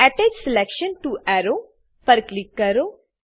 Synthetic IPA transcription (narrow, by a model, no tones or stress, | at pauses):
ɛʈed͡ʒsɪlɛkʃə̃nʈuʔɛɾo | pɐɾklikːɐɾo